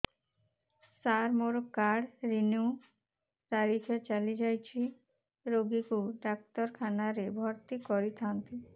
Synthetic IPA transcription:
saɾmoɾokaɽɾinu | t̪aɾikʰet͡ɕalid͡ʑajt͡ɕʰi | ɾoɡikuɖak̚t̪ɔɾkʰanaɾebʱɔɾt̪ikɔɾit̪ʰant̪i

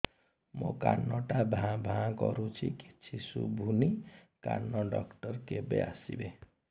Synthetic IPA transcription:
moka̰nːɔʈabʱãbʱãɡɔɾũt͡sʰike̥t͡sʰisubʱunika̰nːʌɖʌkʈʌrkebja̰sibe

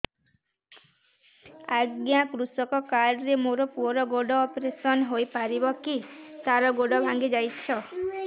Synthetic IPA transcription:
aɡjakɾusɔkɔkaɾɔɾemoɾɔpuɔɾɔɡoɖɔːpɾesɔnɦojpaɾibɔkit̪aɾɔɡoɖɔbʱaŋɡid͡ʒajt͡ʃʰɔ

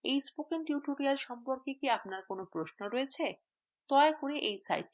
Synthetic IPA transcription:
ejsbukenʈjuʈoɾialʃɔmpoɾkekiapnaɾkonopɾoʃnoɾoet͡ɕʰe | t̪ɔekoɾeʔejsa̰jʈ̚ːi

